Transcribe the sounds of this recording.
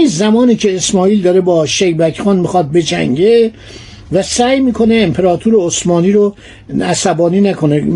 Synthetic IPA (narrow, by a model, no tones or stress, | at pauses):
izæmɒːniːcʰe̞ːsmɒːiːld̪ɒːɾebɒːʃejbæcʰxɒːnmixɒːt̪̚be̞d͡ʒæ̰ŋɟe | væsæːjmiːkʰoneːmpʰeɾɒːt̪ʰuɾeosmɒːniːɾo | æsæbɒːniːnækʰo̞ne